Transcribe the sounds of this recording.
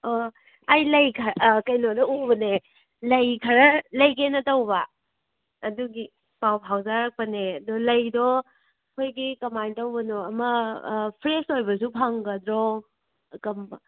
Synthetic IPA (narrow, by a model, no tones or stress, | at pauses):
o | ajlɐjkʰɐɾkɐjnodɔubɐne | lɐjkʰɐɾɐlɐjkenɐtɐwbɐː | duɡi | pawpʰawzaɾɐk̚pɐneɐdɔlɐjdɔ | kʰojɡikɐmajntɐwbɐnɔɐmɐpʰɾesojbɐs̬upʰaŋɡɐdɾɔ | kɐmbɐ